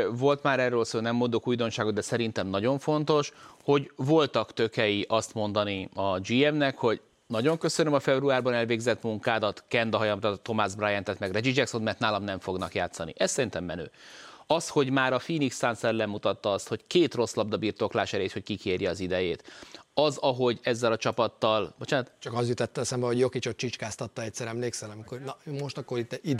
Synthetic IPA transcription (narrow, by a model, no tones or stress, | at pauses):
vo̞lt̪maːɾɛrːøːlsoːlnɛmːond̪okuːjd̪o̞nʃaːɡod̪d̪ɛsɛɾint̪ɛmnɒɟo̞ɱfo̞nt̪o̞ʃho̞ɟvo̞lt̪ɒkt̪ø̞kɛjiʔɒst̪mo̞nd̪ɒniɒd͡ʒiɛmnɛkho̞ɟ | nɒɟo̞ŋkø̞sønømɒfɛbruaːrbɒnɛlveːɡzɛt̪muŋkaːd̪ɒt̪kɛnd̪ɒɦɒjɒmrɒt̪o̞mazbrajɛnt̪ɛt̪mɛɡrɛd͡ʒid͡ʒɛkso̞nmɛrt̪naːlɒmnɛɱfo̞ɡnɒkjaːt̪sɒnḭʔɛssɛɾint̪ɛmːɛnø̰ːɒsho̞ɟmaːɾɒfiːniksansɛllɛmut̪ɒt̪ːɒɒst̪ho̞ckeːt̪ro̞slɒb̚d̪ɒbirt̪oːklaːʃɛɾeːt̪ho̞ckikeːrjɛɒzid̪ɛjeːt̪ɒzɒɦo̞ɟɛzːɛlɒt͡ʃɒpɒt̪ːɒlbot͡ʃaːnt̪t͡ʃɒkɒzjyt̪ɛt̪ːɛlsaːmbɛɦoɟjokit͡ʃot̪̚t͡ʃit͡ʃkaːst̪ɒt̪ːɒɛc̚ʲsɛɾɛmleːksɛlɒmikornɒmoʃt̪ɒkːoɾit̪ːɛid̪